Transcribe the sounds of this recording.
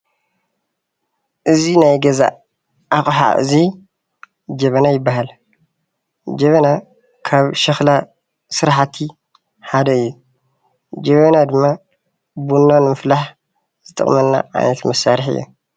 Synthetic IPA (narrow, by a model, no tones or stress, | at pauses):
ʔɨzinajɡɐza̰ | ʔaxʼħa̰ʔɨ̰zi | d͡ʒɐβɐnajɪbːaɦal | d͡ʒɐβɐna | kʰaβʃɐxla | sɨɾħat̪ʰi | ħad̪ɐɨjːu | d͡ʒɐβɐnad̪ɨmːa | bunːonmɨflaħ | z̥ɨt̪ʼɨ̰χʼmɐnːa̰ʕa̰jnɐt̪mɐsaɾɨħɨ̰jːṵ